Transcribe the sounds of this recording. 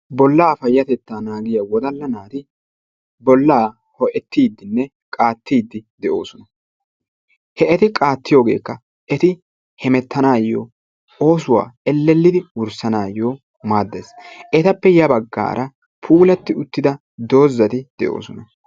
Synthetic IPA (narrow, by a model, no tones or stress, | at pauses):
bɔlːaːfɐjːɐt̪ɛt̪ːaːnaːɡɪjɐwɔd̪ɐlːɐnaːt̪ɪ | bɔlːaː | hɔʔɛt̪ːiːd̪ːɪnːɛ | kʼaːt̪ːiːd̪ːɪd̪ɛʔo̞̰ːsʊnɐ | hɛɛt̪ɪkʼaːt̪ːɪjo̞ːɡe̞̰ːkːɐ | ʔɛt̪ɪ | hɛmɛt̪ːɐnaːjːo̰ː | oːsʊwa̰ːɛlːɛlːɪd̪ɪwʊɾsɐnaːjːoː | maːd̪ːḛːsʔɛt̪ɐpːɛjɐbɐɡːa̰ːɾʔɐ | pʰuːlɐt̪ːɪʊt̪ːɪd̪ɐ | d̪o̞ːzːɐt̪ɪd̪̥ɛ̰ʔo̰ːsʊnɐ